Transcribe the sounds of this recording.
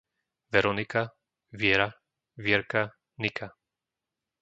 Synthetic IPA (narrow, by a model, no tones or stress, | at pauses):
ʋɛɾɔnika | ʋɪɛɾa | ʋɪɛɾka | nikʰa